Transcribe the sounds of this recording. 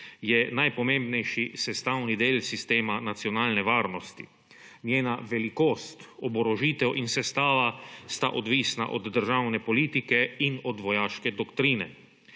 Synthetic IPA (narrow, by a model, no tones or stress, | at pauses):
jɛnajpɔmẽmbnɛjʃisɛst̪awnid̪eːlsist̪eːmanat̪siɔnaːlnɛʋaːɾnɔst̪i | njeːnaʋɛlikoːst̪ɔbɔɾɔʒiːt̪ɛwʔinsɛst̪aːʋast̪a̰ʔɔd̪ʋiːsna̰ʔɔd̪ːəɾʒaːwnɛpɔliːt̪ikɛinɔd̪ʋɔjaːʃkɛd̪ɔkt̪ɾiːnɛ